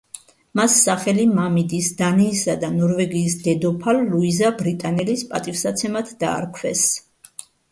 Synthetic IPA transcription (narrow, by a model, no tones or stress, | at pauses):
masːaχɛlimamid̪isd̪aniːsad̪anɔɾvɛɡiːsd̪ɛd̪ɔpʰalːuizabɾit̪ʼanɛlispʼat̪ʼifsat̪sʰɛmat̪ʰd̪̥a̰ːɾkʰwɛs